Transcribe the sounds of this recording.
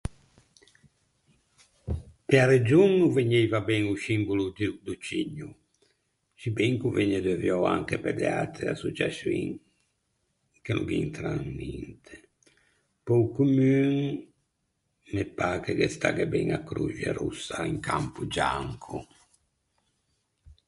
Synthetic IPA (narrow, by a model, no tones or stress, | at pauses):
peaɾed͡ʒunːuveɲːɛjvabɛŋusimbulud̪d̪ut͡ʃiɲːu | t͡ʃibɛŋkuveɲːɛd̪ɛvjɔa̰ŋkepɛd̪eat̪ɾea̰sud͡ʒasḭŋ | kenʔṵɡḭnt̪ɾaŋnint̪ʰe̥ | pɔukumyŋ | nepːakekest̪aɡɛbɛŋakːɾṵd͡ʒa̰ɾusːaiŋkampud͡ʒaŋkʰu